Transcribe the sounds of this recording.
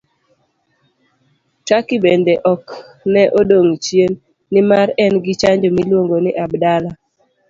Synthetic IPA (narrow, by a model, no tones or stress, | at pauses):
t͡ʃakibendɛʔɔk | nɛʔodoŋt͡ʃjenː | ɪmaɾɛnɡɪt͡ʃaɲd͡ʒomilwoŋɡonɪʔabdala